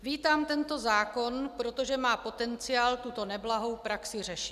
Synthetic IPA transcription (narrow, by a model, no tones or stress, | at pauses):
viːt̪aːmt̪ɛnt̪o̞zaːko̞npɾo̞t̪o̞ʒɛmaːpo̞t̪ɛnt͡sɪaːlt̪ut̪o̞nɛblaɦo̞wpɾaksɪr̝ɛʃɪt̪